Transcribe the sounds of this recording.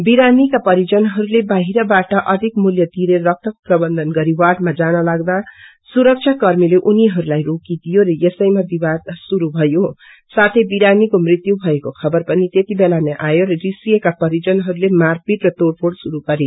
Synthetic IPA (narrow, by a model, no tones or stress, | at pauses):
biɾanikapʌɾid͡zʌnɦʌɾulebaɦiɾʌbaʈʌʔʌd̪ʱikmuljʌt̪iɾerʌk̚t̪ʰʌkoprʌbʌnd̪ʱʌnɡʌɾiwaʈmad͡zanʌlaɡd̪a | suɾʌk̚t͡ʃʰjakʌrmileʔuniɦʌɾulajrokid̪ijoɾʌjesʌjmabibad̪suɾubʱʌjo | sat̪ʰebiɾanikomrit̪jubʱʌekokʰʌbʌrpʌnit̪et̪ibelaneʔajoɾʌɾisijʌkapʌɾid͡zʌnɦʌɾulemarpiʈrʌt̪oɽpʰoɽsuɾupʌɾe